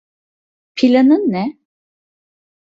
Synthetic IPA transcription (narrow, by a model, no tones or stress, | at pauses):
pʰilʲanɯnːɛ